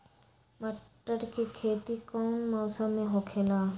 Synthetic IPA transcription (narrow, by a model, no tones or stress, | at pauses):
məʈːəɾkikʰeːt̪ikɔːnmɔːsəmːẽɦoːkʰeːlaː